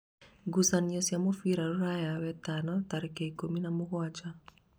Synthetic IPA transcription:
ɡusanjɔsjamofiɾaɾuɾajawɛtanɔtaɾɛkeikominamʊkwat͡ʃa

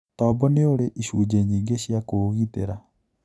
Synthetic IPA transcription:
tɔːbɔneoɾeʔiʃuːd͡ʒeɲiːŋɡeɕjakoɣiteɾa

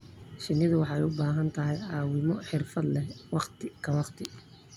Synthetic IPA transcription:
ʃɪnːɪðʊwɑħɑɛjʊbaːɦɐnt̪ʰɐɦɛjɑːwɪmɔħɪrfɐd̪lɛwɑqt̪ʰɪkʰɐwɑqt̪ʰɪ

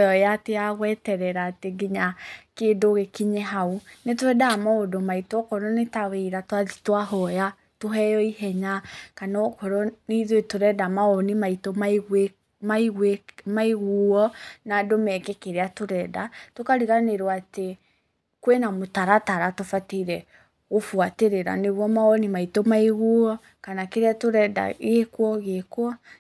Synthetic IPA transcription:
jɔjateaɣwɛtɛɾɛɾaːteɡiɲakedoɣekiɲɛɦaunetoɾɛdaamaodomaitɔkɔɾɔnetaweɾatwaði̥twaɦɔja | toɦɛjɔiɦɛɲakanɔkɔɾɔniðwetoɾɛdamaonimaitomaɣwe | maiɣwemaiɣuɔnadomɛkɛkeɾeatoɾɛdatokaɾiɣaneɾwate | kwenamotaɾataɾatofateiɾɛ | ofwateɾeɾa̰neɣwɔmaɔnimaitomaiɣuɔ | kanakeɾeatoɾɛda̰ɣekwɔɣekwɔ

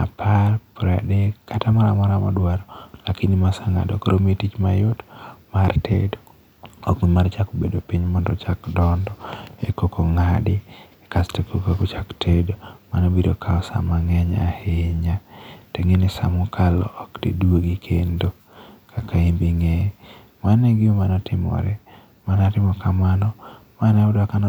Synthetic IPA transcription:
a̰pʰarpɾadekatamaɾamɔɾamɔdwaɾɔlakinimasaŋa̰dokɾʔometit͡ʃma̰jotmartʰḛdo | ɔkmimart͡ʃakobedopiɲmɔndɔt͡ʃakdɔndɔekokoŋadɪ | kastekokokot͡ʃaktʰedomanobido̰kʰaɔsa̰maŋɛɲaheɲateŋenɪsa̰mʊkʰalɔ̰ʔːkdḭdwoɡikʰendo | kʰakʰaimbiŋɛ | manɛɡɪomanɔtʰɪmɔ̰ɾɛ | manatɪmɔkamanɔmanaʊdakan

